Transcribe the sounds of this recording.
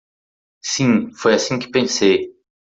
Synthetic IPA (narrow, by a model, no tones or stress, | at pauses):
sĩfojasĩkɪ̥pẽsej